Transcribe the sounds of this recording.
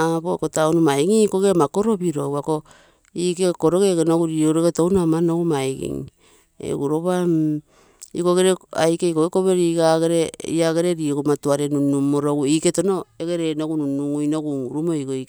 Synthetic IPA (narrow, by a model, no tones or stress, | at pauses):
abokotaonumajɡikoɡemako̞ɾo̞biɾo̞ɡuako | ikekoɾoɡeɡenoɡuɾioɾoɡetonamanoɡumajɡḭŋ | ḛɡuɾo̞βam | ḭko̞ɡeɾea̰jkeikoekoβe̞ɾiɡaɡeɾeiaɡeɾeɾiɡmatuaɾenunumːoɾoɡuike̞tono̞eɡeɾenoɡununuŋujnoɡuŋɾumoiɡoi